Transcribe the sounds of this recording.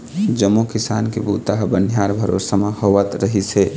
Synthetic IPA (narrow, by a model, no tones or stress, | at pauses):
d͡ʒəmːokɪsaːnkebuːt̪aɦbənʱjaːɾbʱəɾo̰ːɾsəməhoʋət̪ɾəɦise